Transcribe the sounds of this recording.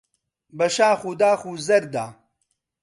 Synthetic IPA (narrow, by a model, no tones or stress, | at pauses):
bɐʃaːxud̪aːxuːzɐɾd̪aː